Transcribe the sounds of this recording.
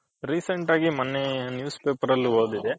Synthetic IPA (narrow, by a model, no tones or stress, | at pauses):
ɾiːseɳʈaːɡimɐnːenjuːspeːpɐɾɐlːuɦoːd̪id̪e